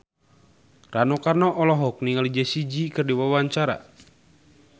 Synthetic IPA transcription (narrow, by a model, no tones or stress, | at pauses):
ranɔkarnɔʔɔlɔɦɔk̚niŋalid͡ʒasid͡ʒikɨrdiwawaɲt͡ʃaɾa̰